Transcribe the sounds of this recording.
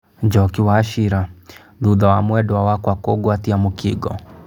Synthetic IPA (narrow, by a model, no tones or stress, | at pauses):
d͡ʒɔkiwaːʃiɾa | ðuðawamwɛdɔwawakwakoɡwatiamukiɡɔ